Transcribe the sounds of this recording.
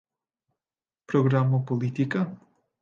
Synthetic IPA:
pɾoɡɾamopolit̪ika

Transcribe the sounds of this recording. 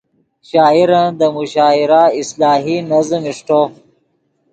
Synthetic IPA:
ɕaːiɾand̪əmuɕɑːiɾaislɑːɦinɐzmiʂʈo

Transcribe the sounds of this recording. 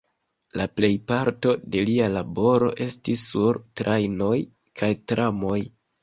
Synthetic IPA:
laple̞jpaɾto̞de̞lialabo̞ɾo̞̰ʔe̞stisːuɾtɾajno̞j | kʰajtɾʔamo̞j

